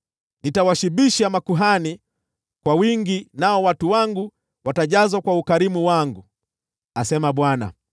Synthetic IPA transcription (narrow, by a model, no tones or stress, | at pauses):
nitawaʃiɓiʃamakuɦani | kwawiŋɡinaɔwatuwaŋɡu | wataʄazwakwaukaɾimuwaŋɡu | asɛmaɓwana̰